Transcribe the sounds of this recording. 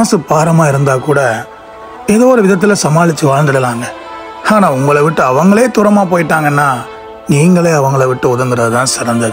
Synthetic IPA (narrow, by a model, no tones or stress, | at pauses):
sɯpaːɾɐmaːɪɾɯnd̪aːkuːɽɐ | ɛðoːɾɯʋɪðɐt̪̬ːɪlɐsɐmaːɭɪt͡ʃːɯʋaːɻnd̪ɐɽɐlaːŋɡɐ | aːnaːʊŋɡɐɭɐʋɪʈːɯɐʋɐŋɡɐɭeːt̪ʊɾɐmaːpoːjɪʈːaːŋɡɐnːaː | niːŋɡɐɭeːɐʋɐŋɡɐɭɐʋɪʈːɯʊðɐŋɡ̪ɪɾɐðɯt̪ãːsɪɾɐnd̪ɐð